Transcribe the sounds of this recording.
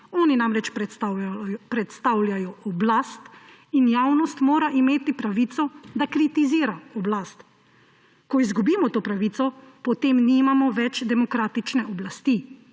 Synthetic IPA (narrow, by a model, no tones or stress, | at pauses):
ɔːninamɾɛt͡ʃp | pɾɛt̪st̪awljajɔʔɔblast̪ | injawnɔst̪moːɾaʔimeːt̪ipɾaʋiːt̪sɔd̪akɾit̪iziːɾaɔblaːst̪ | kɔizɡubiːmɔt̪oːpɾaʋit̪sɔpɔt̪eːmnimamɔʋɛt͡ʃd̪ɛmɔkɾaːt̪it͡ʃnɛʔɔblast̪i